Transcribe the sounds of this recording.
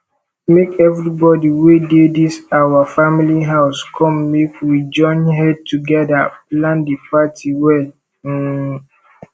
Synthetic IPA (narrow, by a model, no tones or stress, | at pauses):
mekɛvɹibɔdiwededisawafamiliɦaʊskʰɔ̃mːekwid͡ʒɔ̃ɪ̃nɦɛd̚tuɡɛdaplãndipatʰiwɛl̩